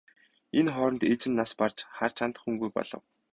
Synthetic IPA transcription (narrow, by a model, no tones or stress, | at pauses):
enχɔːɾɞ̆nt̪et͡ɕɪ̆nːaspart͡ɕχar̥t͡ɕʰant̪ə̆χxuŋɡujpɔ̰ɮ̥ɞ̆w